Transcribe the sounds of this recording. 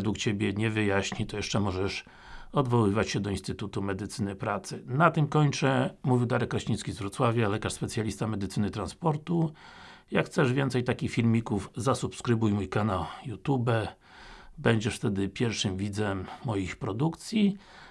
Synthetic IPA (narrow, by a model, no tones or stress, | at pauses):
d̪wukt͡ɕebʲjɛɲɛvɘjaɕɲit̪ɔjɛʂt͡ʂɛmɔʐɛʂ | ɔd̪vɔwɘvat͡ɕɕɛd̪ɔinst̪ɘt̪ut̪umɛd̪ɘt̪sɘnɘpɾat̪sɘnat̪ɘmkɔɲt͡ʂɛmuvʲiwd̪aɾɛkɾɔɕɲiskʲizvɾɔt̪swavʲjalɛkaʂspɛt̪sʲjalʲist̪amɛd̪ɘt̪sɘnɘt̪ɾanspɔɾt̪ujakxt̪sɛʐvʲjɛnt̪sɛjt̪akʲixfʲilmʲikuvzasupskɾɘbujmujkanawjut̪ubɛ | bɛɲd͡ʑɛʂft̪ɛd̪ɘpʲjɛɾfʂɘmvʲid̪zɛmːɔjixpɾɔd̪ukt̪sʲji